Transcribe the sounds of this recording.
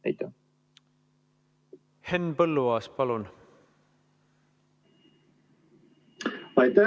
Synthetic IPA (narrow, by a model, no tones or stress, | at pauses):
æjt̪ːɑ | henːpɤlːuɑːspɑlun | mɑjt̪æ